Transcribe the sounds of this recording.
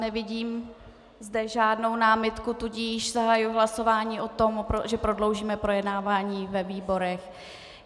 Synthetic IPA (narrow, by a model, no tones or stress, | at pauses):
nɛvɪɟiːm | zdɛʒaːdno̞wnaːmɪt̪kut̪uɟiːʃzaɦajʊɦlaso̞vaːɲiːʔo̞t̪o̞mpɾoʒɛpɾo̞dlo̞wʒiːmɛpɾo̞jɛdnaːvaːɲiːvɛviːbo̞ɾɛx